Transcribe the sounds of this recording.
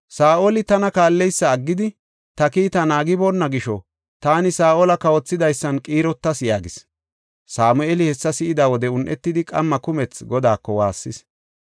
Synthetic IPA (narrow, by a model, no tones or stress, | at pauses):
saːʔolɪt̪ɐnɐkaːlːɛjsːɐːɡːɪd̪ɪ | t̪ɐkiːt̪ɐnaːɡɪbonːɐɡɪʃɔ | t̪aːnɪsaːʔɔlɐkɐwɔt͡sːɪd̪ɐjsːɐnkʼiːɾɔt̪ːɐsɪjaːɡɪs | saːmʊɛlɪhɛsːɐsɪʔɪd̪awɔd̪ɛʊnʔɛt̪ːɪd̪ɪkʼɐ̰mːɐkʊmɛt͡sɡɔd̪aːkːɔwa̰ːsːɪs